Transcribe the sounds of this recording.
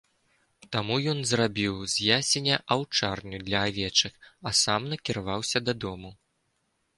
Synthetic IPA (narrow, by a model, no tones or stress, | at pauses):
t̪amujɔnzrabʲiwzʲjasʲɛnʲɛʔawt͡ʂarnʲud̪lʲɐːvʲɛt͡ʂɨxɐsamnɐkʲiɾavawsʲɐd̪ɐd̪ɔmu